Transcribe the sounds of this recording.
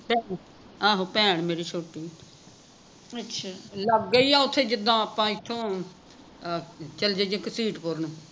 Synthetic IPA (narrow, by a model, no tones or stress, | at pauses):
pɛːɳ | aːɦoːpɛ̃ːɳmeːɾiːt͡ʃʰoːʈiː | ətʃʰaːləɡːəiːaːʊt̪ʰːeːd͡ʒɪd̪ãːapãːɪt̪ʰːõː | t͡ʃəld͡ʒed͡ʒẽksiːʈpoɾnũː